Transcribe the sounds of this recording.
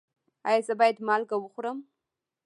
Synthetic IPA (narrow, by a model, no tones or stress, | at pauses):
ɑ̰jɑzəbɑjad̪mɑlɡawəxɾəm